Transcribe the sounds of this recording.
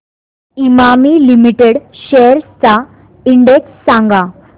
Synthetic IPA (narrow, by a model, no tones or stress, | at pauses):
imamilimiʈeɽɕejəɾst͡sa | iɳɖeksːãŋɡa